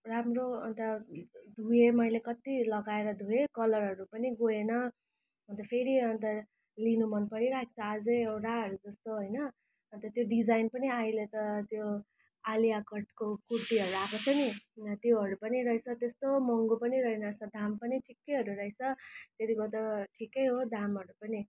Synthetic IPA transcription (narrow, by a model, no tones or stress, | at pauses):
ramroʌnt̪ʌd̪ʱuemʌjlekʌt̪ilʌɡaeɾʌd̪ʱuekʌlʌrɦʌɾupʌniɡoenʌ | ʌnt̪ʌpʰeɾiʌnt̪ʌ | linumʌnpʌɾiɾae̥t͡sʰʌad͡zʌewʈaɦʌɾud͡zʌst̪oɦojnʌː | nt̪ʌt̪joɖid͡zajnpʌniailet̪ʌt̪jo | alijaɡʱʌʈkokurt̪iɦʌɾuɾakot͡sʰʌnit̪jeɦʌɾupʌniɾʌit͡sʰʌt̪est̪omʌŋɡopʌniɾʌenat͡sʰʌd̪ʱampʌniʈʰikːejɦʌɾuɾʌɦit͡sʰʌt̪jet̪ikot̪ʌʈʰikejɦod̪ʱamɦʌɾupʌni